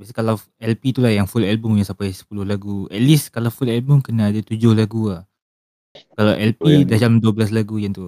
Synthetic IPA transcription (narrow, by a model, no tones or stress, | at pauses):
biasakalaw | ɛlpit̪ulahjaŋfulɛlbʊmjaŋsampajsə̥pulʊhlaɡuɛt̪̚liskalawfulɛlbumkənãːdat̪ud͡ʒʊhlaɡuah | kalawʔɛlpidahd͡ʒamduabəlas̬laɡujaŋt̪u